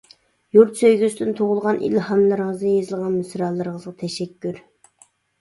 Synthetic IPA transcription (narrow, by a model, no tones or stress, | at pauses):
juɾt̪søjɡʲysd̪ɪnt̪ʰoʁʊlˠʁɑnʔḭlhɑmlɨɾʁəzɨjezɨlˠʁɑnmysɾɑlˠːɨɾʁəzʁɑt̪ʰɛʃɛkʲʰːyɾ